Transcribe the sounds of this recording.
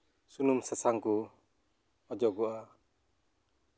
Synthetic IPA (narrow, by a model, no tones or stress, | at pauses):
sunumsasaŋku | ɔd͡ʒɔɡɔʔa